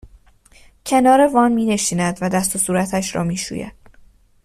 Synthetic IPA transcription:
cʰe̞nɒːɾe̞vɒːnmiːne̞ʃiːnæd̪væd̪æst̪o̞suːɾæt̪ʰæʃɾɒ̰ːmiːʃṵːjæ̰d̪̥

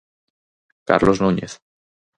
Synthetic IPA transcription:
ka̰ɾlʔoznuɲeθ

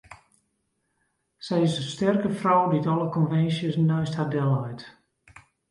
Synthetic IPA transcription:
sɛjɪsəstɛrkəfrɔwditɔlˠəkɔnfɛnsjəsnɔɥsthadɛlˠɛjt

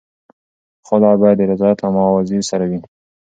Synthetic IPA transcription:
xʊlɑbɑjad̪ːəɾɪzɑjat̪amɑwaziɾsaɾawi

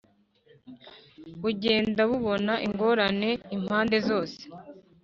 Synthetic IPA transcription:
uɟe̞ːndaβuβo̞naʔiŋɡo̞ːɾane̞im̥haːnde̞zo̞ːse̥

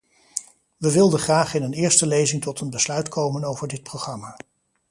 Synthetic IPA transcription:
ʋəʋɪlˠdəχraːχɪnənɪːɹstəlejzɪŋtɔtənbəslœɥtkʰowmənowvəɹdɪt̚prowχrɑmaː

